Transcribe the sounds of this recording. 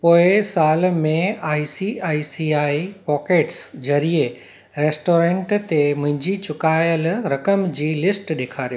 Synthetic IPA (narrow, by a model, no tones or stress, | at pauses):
poːɪsaːlmẽaːisiaːisiaːipɔːkeːʈsd͡ʑɐɾie | ɾeːsʈoːɾẽːɳʈt̪emʊ̃ɦɪ̃ɲd͡ʑit͡ɕʊkaːjəlɾɐkəmd͡ʑiːlɪsʈɗeːkʰaːɾio